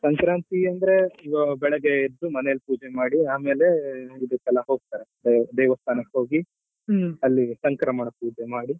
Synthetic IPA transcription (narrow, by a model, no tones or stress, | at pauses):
sɐŋkɾaːnt̪iɐnd̪ɐɾe̞iʋɐbɛɭɐɡeid̪umɐnelpuːd͡ʒemaːɽiaːmeːle̞id̪ɐkɛlɐɦo̞ːɡ̚t̪aːɾed̪d̪ɛːʋɐst̪ʰaːnɐkɦo̞ːɡi | ɐlːisɐŋkɾamɐɳɐpuːd͡ʒemaːɽi